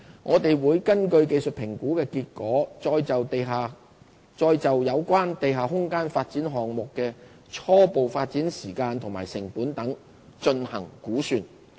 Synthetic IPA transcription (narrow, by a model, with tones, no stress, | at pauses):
ŋʔɔː˨˧t̪e˨jwuː˨˧jkɐ˥nkɵ˧ɥke˧jsɵ˨t̚pʰɪ˨˩ŋkuː˨˥kɛː˧kiː˧t̚kɔː˨˥t͡sɔː˧jt͡sɐ˨wt̪e˨ɦaː˨ | t͡sɔː˧jt͡sɐ˨wjɐ˨˧wkʷwaː˥nt̪e˨jɦaː˨˩ɦʊ˥ŋkaː˥nfaː˧t̚t͡siː˨˥nɦɔː˨ŋmʊ˨kːɛː˧ | t͡ʃʰɔː˥po˨wfaː˧t̚t͡siː˨˥nsiː˨˩kaː˧nt̪ʰʊ˨˩maː˨˩jsɪ˨˩ŋpuː˨˥nt̪ɐ˨˥ŋ | t͡ʃɵ˧nhɐ̰˨˩ŋkuː˨˥syː˨n